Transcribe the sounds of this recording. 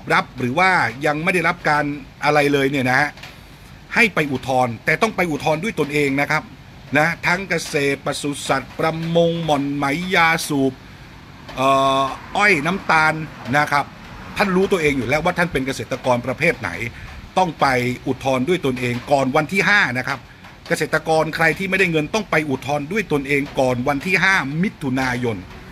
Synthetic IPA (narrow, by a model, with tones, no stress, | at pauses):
p̚ɾa˦˥p̚ɾɯː˩˦waː˥˩ja˧ŋma˥˩jda˥˩jɾa˦˥p̚kaː˧nʔa˧ɾa˧jlɤː˧jni˥˩na˦˥ha˦˥ | ha˥˩jpa˧jʔu˨˩t̪ʰɔː˧nt̪ɛː˨˩t̪ɔ˥˩ŋpa˧jʔu˨˩t̪ʰɔː˧ndu˥˩əjt̪o˧nʔeː˧ŋna˦˥kʰa˦˥p̚ | na˦˥ht̪ʰa˦˥ŋka˧seː˨˩t̪̚pa˧su˨˩sa˨˩t̪̚pɾa˧mo˧ŋmɔ˨˩nma˩˦jːaː˧suː˨˩p̚ | ʔɤː˨˩ʔɔ˥˩jna˦˥mt̪aː˧nːa˦˥kʰɾa˦˥p̚ | t̪ʰa˥˩nɾuː˦˥t̪u˧ɐʔeː˧ŋjuː˨˩lɛː˦˥waː˥˩t̪ʰa˥˩npe˧nka˧seː˨˩t̪ːa˧kɔː˧npɾa˧pʰeː˥˩t̪̚na̰˩˦jt̪ɔ˥˩ŋpa˧jʔu˨˩t̪ʰːɔː˧ndu˥˩əjt̪u˧ənʔeː˧ŋkɔː˨˩nwa˧nt̪ʰiː˥˩ɦaː˥˩na˦˥kʰa˦˥p̚ | ka˧seː˨˩t̪ɾa˧kɔː˧nkʰɾa˧jt̪ʰiː˥˩m˥˩jda˥˩jŋɤ˧nt̪ɔ˥˩ŋpa˧jʔu˨˩t̪ʰːɔː˧ndu˥˩əjt̪u˧ənʔeː˧ŋkɔː˨˩nwa˧nt̪ʰiː˥˩ɦaː˥˩mi˦˥t̪ʰːu˧naː˧jo˧n